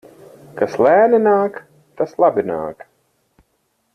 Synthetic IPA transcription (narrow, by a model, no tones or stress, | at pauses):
kaslʲæːninaːk | t̪aslˠabina̰ːk